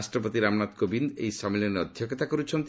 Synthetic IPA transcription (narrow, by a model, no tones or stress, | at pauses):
sʈɾɔpɔt̪iɾamnat̪kobind̪ḛjsamilɔneɔd̪ʱjɔkɔt̪akɔɾut͡ʃʰɔnt̪